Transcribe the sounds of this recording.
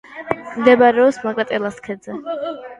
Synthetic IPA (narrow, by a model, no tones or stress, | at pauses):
md̪ɛbaɾɛɔpsmakʼɾat̪ʼɛlˠaskʰɛd̪zɛ